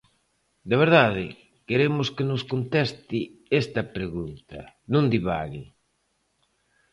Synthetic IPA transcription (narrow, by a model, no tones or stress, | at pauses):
d̪aβ̞eɾðaðɪ | keɾemʊskenʊskont̪ɛst̪iɛst̪ɐpɾeɣunt̪ɐ | nõnd̪iβa̰ɣɪ